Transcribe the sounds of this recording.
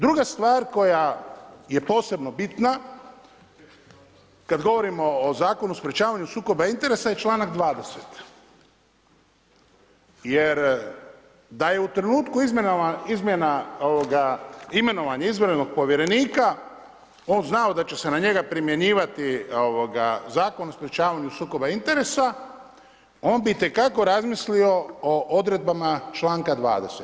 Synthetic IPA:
d̪ɾuɡast̪ʋaːɾko̞jaje̞po̞ːse̞bno̞bit̪na | kad̪ɡo̞ʋo̞ɾimo̞ːzaːko̞nuspɾʲet͡ʃaːʋaɲusuːko̞baint̪e̞ɾe̞saje̞t͡ʃlˠaːnaɡd̪ʋaːd̪e̞set̪ | jeɾ | d̪aje̞ut̪ɾe̞nuːt̪kuizizmʲjenaoʋoɡaime̞no̞ʋaɲaizʋɾnoɡ̚po̞ʋjeɾe̞niːka | o̞ːnznaod̪at͡ɕe̞se̞naɲe̞ɡapɾimje̞ɲiːʋat̪ioʋo̞ɡa̰zaːko̞nospɾjet͡ʃaːʋaɲusuːko̞baint̪e̞ɾe̞sa | o̞ːnbiit̪e̞kako̞ɾazmislio̞oʔod̪ɾe̞d̪̚bamat͡ʃlaːŋkad̪ʋa̰ːd̪e̞set̪

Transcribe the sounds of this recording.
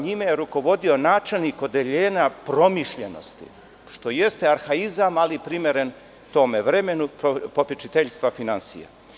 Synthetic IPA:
ɲimejeɾuko̞ʋo̞d̪io̞naːt͡ʃe̞lniko̞d̪eʎeːnapɾo̞miʃʎeno̞̰st̪ḭ | ʃt̪o̞je̞st̪eaɾxaizamalipɾime̞ɾen | t̪o̞meʋɾemenupopʲit͡ʃit̪eʎst̪ʋafinansḭja̰

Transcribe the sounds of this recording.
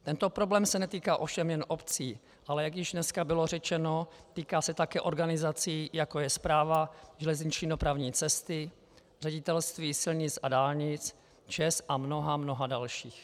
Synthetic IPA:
t̪ɛnt̪o̞pɾo̞blɛːmsɛnɛt̪iːkaːʔo̞fʃɛmjɛnʔo̞pt͡siː | ʔalɛjaɡjɪʒdnɛskabɪlo̞rɛt͡ʃɛnot̪iːkaːsɛt̪akɛːʔo̞ɾɡanɪzat͡siːjako̞jɛspɾaːvaʒɛlɛzɲɪt͡ʃɲiːdopɾavɲiːt͡sɛst̪ɪ | r̥ɛɟɪt̪ɛlst̪viːsɪlɲɪt͡sʔadaːlɲɪt͡s | t͡ʃɛsʔamno̞ɦamno̞ɦadalʃiːx

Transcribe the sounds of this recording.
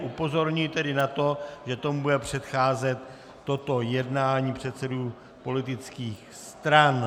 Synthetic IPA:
ʔupo̞zo̞ɾɲujt̪ɛdɪnat̪o̞ʒɛt̪o̞mubudɛpr̝̥ɛt̪xaːzɛt̪ː | o̞t̪o̞jɛdnaːɲiːpr̝̥ɛt̪sɛduː | po̞lɪt̪ɪt͡skiːx | st̪ɾan

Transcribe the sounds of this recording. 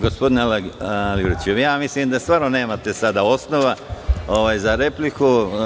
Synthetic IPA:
ɡospo̞d̪inlliɡɾoit͡ʃejaːmisliːmd̪ast̪ʋaːɾnone̞ːmat̪e̞sad̪ao̞sno̞ʋao̞ʋaːjzaɾe̞pliku

